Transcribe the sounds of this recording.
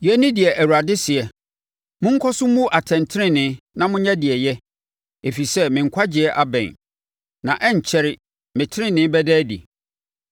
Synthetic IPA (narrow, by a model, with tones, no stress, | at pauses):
jɛ˦nɪ̃˦dɪ˨ɛ˨ʔæ˨wu˨ɾa˨dɪ˦sɪ˨ɛ˨ | mʊ̃˦ŋ̩˦kʰɔ˦sʊ̃˦mũ˦ʔa˨tʰɛ̃˨n˨tʰɪ˦ɾɪ̃˦nɪ̃˨˦nã˦mʊ̃˦ɲã˦dɪ˨ɛ˨jɛ˦ | e˨fi˨sɛ˦mɪ̃˨ŋ̩˨kʰʷa˦d͡ʑɪ˨˦ɛ˦ʔa˦bɛ̰̃˨n | nã̰˨ʔɛ˦ɲ˨t͡ɕʰɛ˦ɾɪ˦ | mɪ̃˨tʰɪ˦ɾɪ̃˦nɪ̃˦bɛ˦dɛː˦dḭ˨